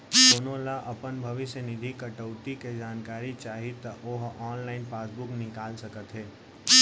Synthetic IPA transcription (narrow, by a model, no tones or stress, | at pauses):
d̪oːnolaʔɐpənbʱɐʋɪsjənɪd̪ʱikəʈəʊt̪iked͡ʒaːnkaːɾit͡ʃaːɦit̪ɐʔoɦɔːnlaːɪnpaːsbʊknɪkaːlsəkət̪ɦeː